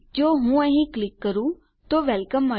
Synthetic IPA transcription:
d͡ʒoːɦũːəɦĩːklɪkːəɾũː | t̪oːʋɛlkəmːɐ

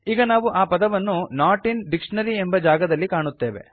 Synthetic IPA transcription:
iːɡɐnaːʋuʔaːpɐd̪ɐʋɐnːunaːɾʈinɖikʂɐɳɐɾiembɐd͡ʒaːɡɐd̪ɐlːikaːɳut̪ːe̞ːʋḛ

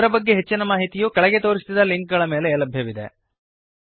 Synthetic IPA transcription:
ɾɐbɐɡːeɦet͡ʃːinɐmaːɦit̪ijuːkɐɭɐɡe̞t̪o̞ːɾist̪id̪ɐliŋk̚ɡɐɭɐmeːle̞ːlɐbʱjɐʋid̪e̞̰

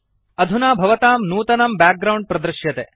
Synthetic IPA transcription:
ɐd̪ʱunaːbʱɐʋɐt̪aːmnuːt̪ɐnɐmbaːk̚ɡɾɐwɳɖ̚pɾɐd̪ɾɨʃjɐt̪eː

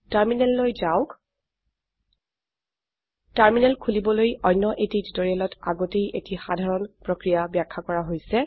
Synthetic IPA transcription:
taɹminɛlːojzaʊk | taɹminɛlkʰulibɔlojɔnːɔʔetiditoɹialɔta̰ɡotejʔetixadʱaɹɔnpɹokɹijabjakʰːakɔɹaɦojsɛ

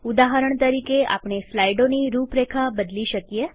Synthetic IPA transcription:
ud̪aɦəɾəɳt̪əɾikeʔa̰pɳ̃eslajɖoniɾupɾekʰabəd̪liʃəkije

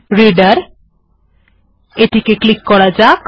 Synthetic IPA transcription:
ɾiɖaɾ | eʈikeklikːɔɾad͡ʑak

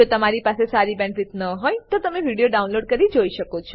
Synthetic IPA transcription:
ot̪əmaɾipasesaɾibɛ̃ɳʋit̪nəɦojt̪ot̪əmeʋiɽijoɖaunloɖkəɾid͡ʒoiʃəkot͡ʃʰɔ

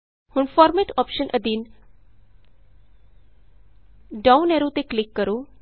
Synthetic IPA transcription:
hʊɳfɔːɾmeʈɔːpʃənʔəd̪in | ɖaũneɾot̪eklɪkːəɾo

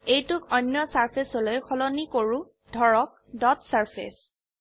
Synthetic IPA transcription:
ejtʊkɔjnːjɔsaɹpʰesɔlojkʰɔlɔnikoɹu | dʱɔɹɔk̚ | dɔtsaɹpʰḛs

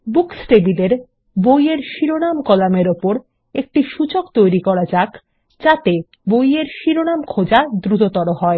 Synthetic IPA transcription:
buksʈebileɾ | bojeɾʃiɾonamkɔlameɾopoɾ | ek̚ʈiʃut͡ɕokt̪ojɾikɔɾad͡ʑak | d͡ʑat̪e | bojeɾʃiɾonamkʰod͡ʑad̪ɾut̪ot̪ɔɾoɦɔe

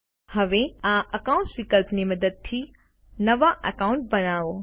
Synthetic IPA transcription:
hɐʋeãɐkaʊ̃ɳʈsʋikəlpnimɐd̪əd̪̚t̪ʰi | nɐʋaʔəkaːʊ̃ɳʈ̚bɐnaːo

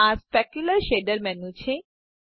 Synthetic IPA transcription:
aɾspɛkjulɐɾʃeɖɐɾmɛnut͡ɕʰe

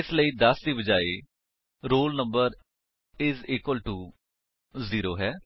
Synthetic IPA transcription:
ɪsləiːd̪əsd̪iːbəd͡ʒaːeː | ɾoːlnəmbəɾ | ɪziːkʋəlʈuː | ziːɾoːɦɛː

